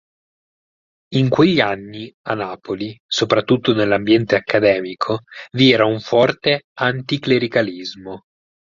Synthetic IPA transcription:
iŋkweʎːianːianːaːpolisopɾat̪ːut̪ːonelːambjɛnt̪eakːad̪ɛːmikʰoviɛːɾauɱfɔrt̪eant̪ikleɾikalizmo

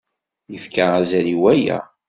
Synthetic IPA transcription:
jəfkaæzæɾiwæjæ̰

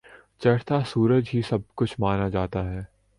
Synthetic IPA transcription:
t͡ʃɐɽ̤t̪asuːɾəd͡ʒɦisɐb̚kʊt͡ʃʰmaːnad͡ʒaːt̪aɦɛː

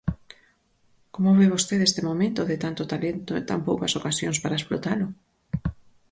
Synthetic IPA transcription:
komoβeβost̪eðest̪ɪmomẽnt̪oðɪt̪ant̪ot̪alent̪oḛnt̪ampowkɐsokasjoŋspaɾaesplot̪alʊ

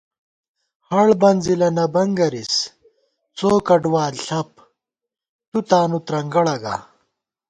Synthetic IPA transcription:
hɐɭbɐnzilɐnɐbɐŋɡɐɾis | t͡soːkɐɖwaːlɬɐp̚ | t̪ut̪aːnut̪ɾɐŋɡɐɭɐɡa̰

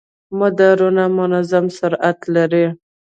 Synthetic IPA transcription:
mʊd̪aɾunamʊnazamsʊɾat̪laɾi

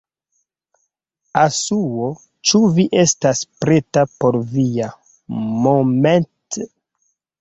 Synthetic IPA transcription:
asuwo | t͡ʃuviʔe̞staspɾetapo̞ɾvija | moment

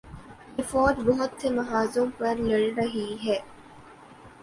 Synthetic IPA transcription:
ɪfɔːd̪boɦʊt̪semɐɦaːzumpɐɾlɐɭɾɐɦiːɦɛː

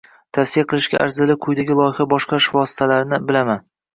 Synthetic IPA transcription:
t̪ʰafsijaqʰɨlˠɪʃɡʲaʔa̰ɾzɪlɪqʰʊjd̪aɡʲɪlˠɒjɪχabɒʃqɑʃvɒsɪ̥t̪ʰalaɾnɪbɪlaman

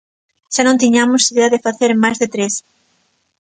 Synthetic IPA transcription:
ʃanõnt̪iɲamʊsiðeɐðɪfaθeɾmajzðet̪ɾes

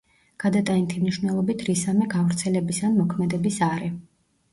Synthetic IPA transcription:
ɡ̥ad̪at̪ʼant̪ʰimniʃwnɛlˠɔbit̪ʰɾisamɛɡavɾt̪sʰɛlɛbisanmɔkʰmɛd̪ɛbisaɾɛ

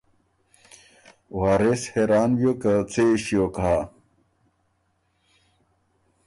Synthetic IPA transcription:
waːɾesheːɾaːnwjoːkɐt͡sʰeɕijoka

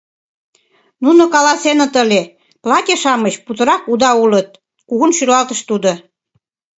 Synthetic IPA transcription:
nunokɑlɑsenə̆t̪əlʲe | plɑt̪ʲeʃɑməɕput̪ə̆ɾɑkud̪ɑulət̪̚ | kuɣənʃylɑlt̪əʃt̪ud̪o

